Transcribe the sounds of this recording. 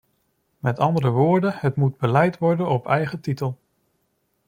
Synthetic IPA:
mɛtɑndəɾəʋʊːɹdənɦətmud̚bəlɛjtʋɔɹdənɔpɛjχətitəlˠ

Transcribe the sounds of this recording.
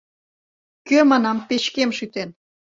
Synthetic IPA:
kømɑnɑmpet͡ɕkemʃyt̪en

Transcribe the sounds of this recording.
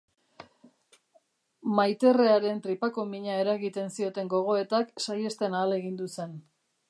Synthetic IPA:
majt̪e̞re̞aɾe̞nt̪ɾipako̞miɲae̞ɾaɣit̪e̞nsio̞t̪e̞ŋɡo̞ɣ̞o̞e̞t̪aksaje̞st̪e̞naːle̞ɣind̪use̞n

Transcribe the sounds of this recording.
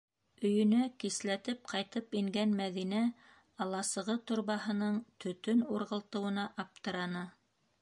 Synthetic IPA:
ɵ̆jɵ̆nækislæt̪ɘp̚qʰɑjt̪ɤpiŋɡænmæðinæ | ɑlˠɑsɤ̆ʁɤt̪ŏɾβɑɦɤ̆nɤɴt̪ɵ̆t̪ɵnuɾʁɤ̆lˠt̪ɤ̆wɤ̆nɑʔɑp̚t̪ɤ̆ɾɑnɑ

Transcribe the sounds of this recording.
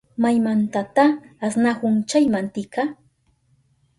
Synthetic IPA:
majmant̪at̪aːsnahʊnt͡ʃajmant̪ɪka

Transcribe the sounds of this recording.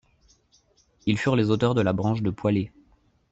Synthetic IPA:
ilfyʁlezot̪œʁd̪əlabʁɑ̃ʃd̪əpwale

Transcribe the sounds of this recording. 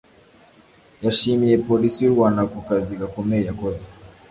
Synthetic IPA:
jaʃimiɛpɔlisiɾwanakɔkazikakɔmɛjakɔzḁ

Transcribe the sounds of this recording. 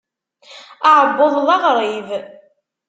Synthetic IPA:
aʕbːʊðˤðˤɑʁɾˤiv

